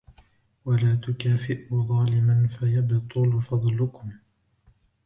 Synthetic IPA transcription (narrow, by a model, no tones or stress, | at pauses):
walaːt̪ʊkaːfɪʔʊðˤɑːlɪmanfajabt̪ˤʊlfɑd̪ˤlʊkʊm